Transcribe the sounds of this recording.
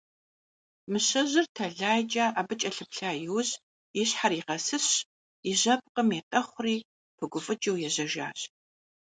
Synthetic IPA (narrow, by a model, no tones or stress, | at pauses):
mɨɕɐʑɪrtʰɐɮaːjd͡ʒɐːʔabɨt͡ʃʼɐɬɨpɬaːjɪwɕ | ɪɕħaɾiːʁɐsɨɕ | ɪʑɐp̚qəmeːtʼɐχʷʊriː | pʰɨɡʷʊfʼɨd͡ʒɐwjɛʑɐʒa̰ːɕ